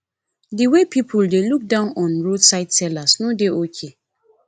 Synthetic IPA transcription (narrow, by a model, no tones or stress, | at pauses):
diwepʰipʰuldeluk̚dãʊ̃nɔ̃nɹodsaɪtsɛlasnodeokʰe